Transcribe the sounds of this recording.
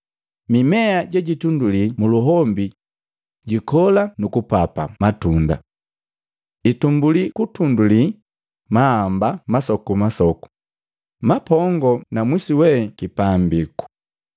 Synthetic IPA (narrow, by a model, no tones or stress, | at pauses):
mimɛaɟɛɟitundulimuluɦɔmbi | ɟikɔlanukupapa̰matunda̰ | itumbulikutunduli | maːmbamasɔkumasɔku̥ | mapɔŋɡɔnamwisiwɛkipambiku̥